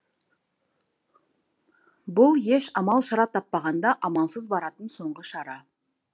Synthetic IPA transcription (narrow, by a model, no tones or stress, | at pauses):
bʊlˠje̞ʃɑmɑlˠʃɑɾɑp̚t̪ʰɑpːɑʁɑnd̪ɑʔɑmɑnˠsəzbɑɾɑt̪ənso̞ɴʁəʃɑɾɑ